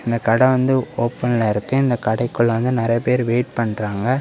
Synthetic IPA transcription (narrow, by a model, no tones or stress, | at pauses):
ɪnd̪ɐkɐɽɐ̃ʋɐnd̪ɯoːpːɐnɪlɐɪɾɯkːɯɪnd̪ɐkɐɽɐɪkːɯɭːʋɐnd̪ɯnɪɾɐjɐpeːɾʋeːʈ̚pɐɳːɾaːŋɡɐ